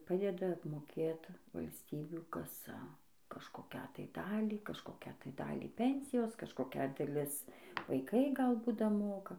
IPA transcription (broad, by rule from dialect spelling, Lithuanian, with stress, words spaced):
ˈpɑːdʲɛdɐ ɐpmoːˈkʲeːt ʋɐlʲsʲˈtʲiːbʲuː ˈkɑːsɐ kɐʃkoːˈkʲæː tɐɪ ˈdɑːlʲiː kɐʃkoːˈkʲæː tɐɪ ˈdɑːlʲiː ˈpʲɛnʲsʲɪjoːs kɐʃkoːˈkʲɛ dɐˈlʲɪs ʋɐɪˈkɐɪ ˈɡɐlˠ ˈbuːt dɐˈmoːkɐ